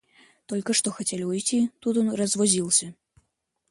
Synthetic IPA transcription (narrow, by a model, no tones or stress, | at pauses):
t̪ɔlʲkɐʂt̪ɔxat͡sʲelʲujt͡sʲit̪ut̪jɔnrɐzvɔzʲilˠsʲɐ